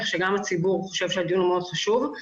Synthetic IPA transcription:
χʃeɡamat͡sibuʁχo̞ʃe̞vʃead̪ijunmeo̞d̥̪χaʃuv

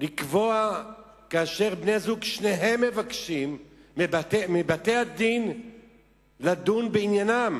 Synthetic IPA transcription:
likvoa | kaːʃe̞ʁbnezuɡʃneɦe̞mːe̞vakʃimːebatemebat̪e̞ad̪in | lad̪unbeinjanam

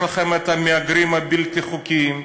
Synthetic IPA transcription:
laχemet̪hameaɡɾimabilt̪iχukim

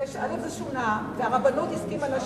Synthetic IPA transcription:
eʃalozeʃunaveaʁabanot̪iskimalaʃ

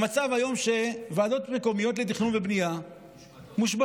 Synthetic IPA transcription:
mat͡savhajo̞mʃe̞vaːd̪o̞t̪meko̞mijo̞t̪let̪iχnunvebnija | muʃba

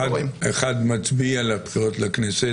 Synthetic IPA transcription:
deχad̪mat͡sbialebχiʁo̞tleknese

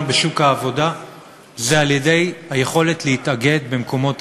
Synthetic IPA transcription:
beʃukhaːvo̞da | zealjede̞jhajeχo̞le̞tleitaɡe̞d̪bemko̞mo̞t

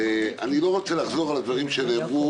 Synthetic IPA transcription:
eanilo̞ʁo̞t͡selaχzo̞ʁalad̪vaʁimʃenebu

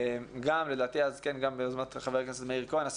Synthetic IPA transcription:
ɡamled̪aːt̪iazkenɡambezmat̪χaveʁkneset̪meiʁkonas

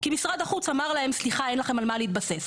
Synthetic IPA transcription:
kimisʁad̪aχut͡samaʁlae̞msliχae̞nlaχe̞malmaleit̪̚base̞s

